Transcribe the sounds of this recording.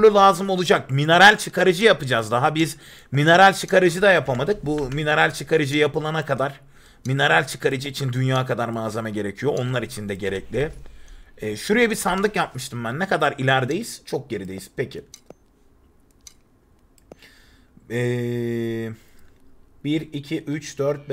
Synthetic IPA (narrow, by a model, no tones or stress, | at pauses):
lˠulˠaːzɯmo̞lˠud͡ʒak̚mine̞ɾalʲt͡ʃʰɯkaɾɯd͡ʒɯjapɯd͡ʒazd̪aɦabiz | mine̞ɾalʲt͡ʃʰɯkaɾɯd͡ʒɯd̪ajapʰamad̪ɯk̚bumine̞ɾalʲt͡ʃʰɯkʰaɾɯd͡ʒɯjapɯlˠanakad̪aɾ̥ | mine̞ɾalʲt͡ʃʰɯ̥kʰaɾɯd͡ʒɯːt͡ʃʰind̪ynjaːkʰad̪aɾmaːzamaɟe̞ɾe̞cʰijo̞onlˠaɾit͡ʃʰind̪ɛɟe̞ɾɛclʲɪ | ɛːʃuɾɯjɛbisand̪ɯkjap̚mɯʃt̪ʰɯmbænːɛkad̪aɾilʲæɾd̪e̞jiz̥t͡ʃʰo̞k̚ɟe̞ɾid̪e̞jiz̥pecʰɪ | ɛ | biɾicʰiʔyt͡ʃd̪øɾt̪̚b